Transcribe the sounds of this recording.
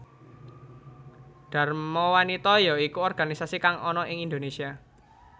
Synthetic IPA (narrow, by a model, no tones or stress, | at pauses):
ɖ̥a̤rmɔwanit̪ɔjɔikuɔrɡ̥a̤nisasikaŋɔnɔʔɪŋind̪onesia